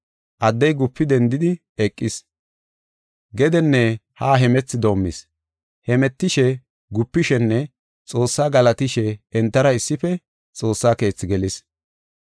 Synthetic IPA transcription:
ʔɐd̪ːɛjɡʊpːɪd̪ɛnd̪ɪd̪ɪ | ɛkʼːɪs | ɡɛd̪ɛnːɛhaːɦɛmɛt͡sːɪd̪o̞ːmːɪ̰s | hɛmɛt̪ːɪʃɛ | ɡʊpːɪʃɛnːɛ | t͡sʼo̞ːsːaːɡɐlɐt̪ɪʃɛɛnt̪ːɐɾɐɪsːɪfɛ | t͡sʼo̞ːsːaːke̞ːt͡sːɪɡɛlɪs

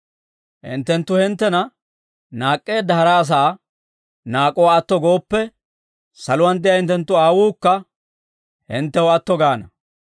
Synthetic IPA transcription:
hɪ̰nt̪ːɛnt̪ːʊhɪnt̪ːɛnɐ | naːkʼːe̞ːd̪ːɐhɐɾɐːs̬aː | naːkʼːɔwaːt̪ːɔɡo̞ːpːɛ | sɐlʊwɐnd̪ɪjɐhɪnt̪ːɛnt̪ːʊaːwuːkːɐ | hɪ̰nt̪ːɛwɔɐt̪ːɔɡaːnɐ̰

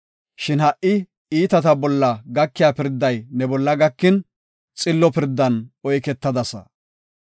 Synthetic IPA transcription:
ʃɪnhɐʔɪ | iːt̪ɐt̪ɐbɔlːɐɡɐkːɪjaːpɪɾd̪ːɐjnɛbɔlːɐɡɐkːɪn | t͡sʼɪlːɔpɪɾd̪ːɐnɔjkɛt̪ːɐd̪ɐsɐ̰

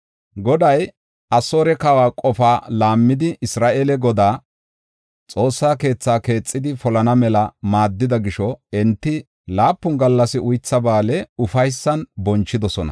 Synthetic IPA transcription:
ɡɔd̪ɐj | ʔɐso̞ːɾɛkɐwaːkʼɔfaːlaːmːɪd̪ɪʔɪsɾaːʔelɛɡɔd̪aː | t͡sʼo̞ːsːaːke̞ːt͡sːaːke̞ːt͡sʼːɪd̪ɪfɔlɐnɐmɛlɐmaːd̪ːɪd̪ɐɡɪʃɔɛnt̪ːɪ | laːpːʊnɡɐlːɐsɪʔʊjt͡sːɐbaːlɛʊfɐjsːɐnbɔnt͡ʃːɪd̪ɔsɔnɐ̰

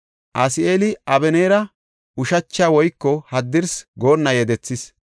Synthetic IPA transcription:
ʔɐsɪe̞ːlɪʔɐbɛneːɾɐ | ʊʃɐt͡ʃːaːwɔjkːɔhɐd̪ːɪɾsɡo̞ːnːɐjɛd̪ɛt͡sːɪs

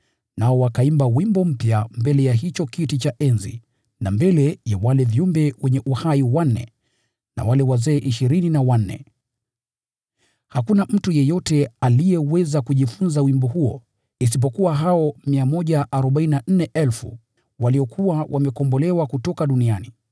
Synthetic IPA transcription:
naɔwakaimbawimbɔm̩pjambɛlɛjaɦit͡ʃɔkitit͡ʃaʔɛnzḭ | nambɛlɛjawalɛvjumbɛwʔɛɲɛʔuhaiwan̩ːɛ̰ | na̰walɛwazɛːʔiʃiɾininawannɛ̰ | hakunam̩tujɛjɔtɛalijɛwɛzakuʄifunzawimbɔɦuɔ̰ | is̬ip̬ɔkuwaɦaɔmiamɔʄaʔaɾɔɓaininan̩nɛʔɛlfṵ | waliɔkʰuwawʔamɛkɔmbɔlɛwakutɔkaɗuniani

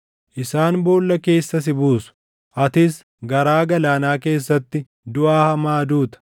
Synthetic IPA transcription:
ʔɪsaːnboːlːɐke̞ːsːɐs̬ɪbuːsʊ̥ | ʔɐt̪ɪs | ɡɐɾaːɡɐlaːnaːke̞ːsːɐt̪ːɪ | d̪ʊʔaːhɐmaːd̪uːt̪ɐ̥

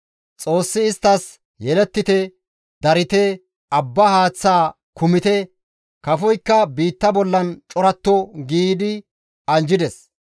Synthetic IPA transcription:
t͡sʼo̞ːsːɪːst̪ːɐs | jɛlɛt̪ːɪt̪ɛ | d̪ɐɾɪt̪ɛ | ɐbːɐhaːt͡sːaː | kʊmɪt̪ɛ | kɐfɔjkːɐbiːt̪ːɐbɔlːɐnt͡ʃʼɔɾɐt̪ːɔɡiːd̪ɪ | ɐnd͡ʒɪd̪ɛs

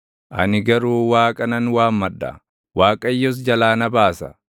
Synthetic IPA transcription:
ʔɐnɪɡɐɾuːwaːkʼɐnɐnwaːmːɐᶑːɐ̰ | waːkʼɐjːɔs̬d͡ʒɐlaːnɐbaːsɐ

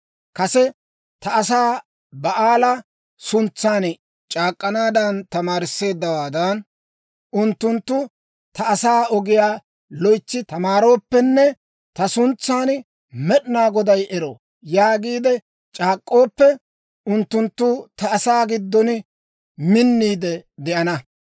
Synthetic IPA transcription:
kɐsɛ | t̪ɐɐsaː | bɐʔaːlɐ | sʊnt͡sːaːn | t͡ʃʼaːkʼːɐnaːd̪ɐnt̪ɐmaːɾɪsːe̞ːd̪ːɐwaːd̪ɐn | ʊnt̪ːʊnt̪ːʊ | t̪ɐɐsaːɔɡɪjaː | lɔjt͡ʃːɪt̪ɐmaːɾo̞ːpːɛnːɛ | t̪ɐsʊnt͡sːaːn | mɛɗɪnaːɡɔd̪ɐjʔɛɾo̰ː | jaːɡiːd̪ɛ | t͡ʃʼaːkʼːo̞ːpːɛ | ʊnt̪ːʊnt̪ːʊt̪ɐːsaːɡɪd̪ːɔn | mɪnːiːd̪ɛd̪ɛʔɐnɐ

